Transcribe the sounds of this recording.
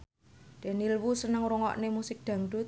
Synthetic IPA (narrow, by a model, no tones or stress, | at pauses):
d̪̥ɛ̤nilwusənəŋɾuŋɔ̰ʔnemusɪk̚d̪̥ä̤ŋɖṳ